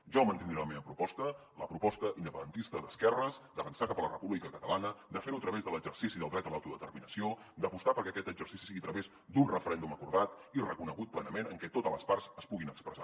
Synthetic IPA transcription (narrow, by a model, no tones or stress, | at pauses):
ʒɔmənt̪iŋɾaləmeβəpɾupɔst̪ələpɾupɔst̪əʔind̪əpənd̪ənt̪ist̪əðəskɛrəzd̪əβənsakapələrəpuβlikəkət̪əlanəd̪əfeɾuət̪ɾəβezðələɡʒərsisiðəlˠd̪ɾɛt̪əlˠawt̪uðət̪ərminəsio | d̪əpust̪apəɾkɛəkɛt̪əɡʒərsisisiiət̪ɾəβez | d̪unrəfəɾɛnd̪uməkuɾðat̪irəkunəɣut̪̚plɛnəmenəŋkɛt̪ot̪ələsparz̥əspuɣinəkspɾəza̰